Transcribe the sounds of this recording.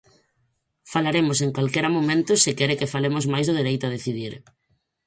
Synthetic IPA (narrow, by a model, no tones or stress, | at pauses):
falaɾemʊseŋkalkɛɾamomẽnt̪ʊsɪkɛɾɪkɪfalemʊzmajzðʊð̞iɾejt̪ʊað̞eθiðiɾ